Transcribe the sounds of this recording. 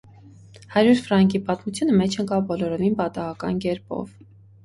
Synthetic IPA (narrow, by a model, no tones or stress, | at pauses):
hɑɾjuɾfɾɑŋkipɑt̪mut͡sʰjunəmɛt͡ʃʰnəkɑbɔlɔɾɔvinpɑt̪ɑɦɑkɑnkɛɾpɔ̰v